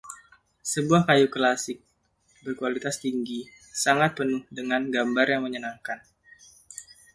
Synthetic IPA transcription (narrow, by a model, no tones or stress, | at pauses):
səbuahkajuklasɪk̚ | bərkualit̪ast̪iŋɡi | saŋat̪̚pənʊhdəŋanɡambarjaŋməɲənaŋkan